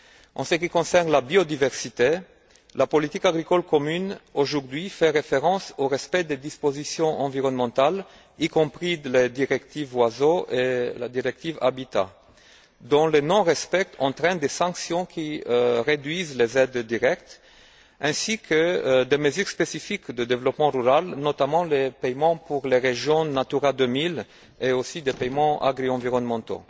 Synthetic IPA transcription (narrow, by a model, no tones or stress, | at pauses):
ɑ̃səkikɔ̃sɛʁnlabiod̪ivɛʁsit̪e | lapɔlit̪ikaɡʁikɔlkɔmynoʒuʁd̪ɥifɛʁefeʁɑ̃soʁɛspɛd̪ed̪ispozisjɔ̃ʔɑ̃viʁɔnmɑ̃t̪al | ikɔ̃pχiled̪iʁɛkt̪ivwazoela̰d̪iʁɛk̚t̪iva̰bit̪a̰ | d̪ɔ̃lenɔ̃ʁɛspɛk̚t̪ʰɑ̃t̪ʁɛ̃nd̪esɑ̃ksjɔ̃kʰʲiʁed̪ɥizlezɛd̪ːiʁɛkt̪ | ɛ̃sikʰəd̪eməzyʁspesifikd̪əd̪evlɔpmɑ̃ʁyʁalnɔt̪amɑ̃lepɛjmɑ̃puʁleʁeʒjɔ̃nat̪yʁad̪əmil | eosid̪epɛjmɑ̃a̰ɡʁiɑ̃viʁɔnmɑ̃t̪o̰